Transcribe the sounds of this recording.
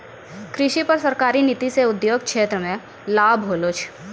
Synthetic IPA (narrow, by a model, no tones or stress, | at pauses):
kɾɪʃipɐɾsɐɾkaːɾinit̪iseʊd̪joːɡkʃeːt̪ɾəmẽ | laːbʱɦoːloːt͡ʃʰ